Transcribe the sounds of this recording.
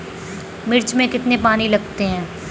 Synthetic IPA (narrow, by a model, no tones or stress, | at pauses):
mɪɾt͡ʃmẽkɪt̪nepaːnilɐɡt̪eɦɛ̃ː